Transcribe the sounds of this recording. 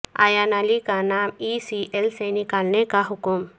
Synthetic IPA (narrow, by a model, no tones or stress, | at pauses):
a̰ːjaːnaːlikanaːmiːsiʔelsenɪkaːlnekaɦʊkʊm